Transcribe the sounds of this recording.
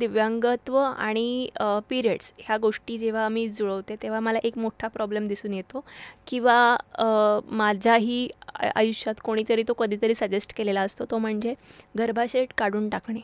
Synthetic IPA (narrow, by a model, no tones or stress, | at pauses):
d̪iʋjaŋɡət̪ʋəa̰ɽ̃ipiɾieɽsɦjaɡoʂʈiːd͡ʑeʋ̤aəmiːd͡zoɭəʋt̪et̪eʋ̤aməlaʔekmoʈʰapɾɔblemd̪isuːnjet̪okĩw̃ʋa | mad͡ʑʱjaɦiːa̰juɕat̪koɽ̃iːt̪əɾiːt̪okəd̪ʱiːt̪əɾiːsəd͡ʑesʈkelelaəst̪ot̪om̤əɳd͡zeɡəɾbʱaɕeʈkaɽ̤uːnʈakɳe